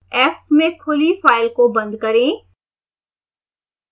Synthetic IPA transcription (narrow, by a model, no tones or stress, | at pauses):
ɛːpmẽkʰʊlifaːɪlkobɐ̃nd̪kɐɾẽː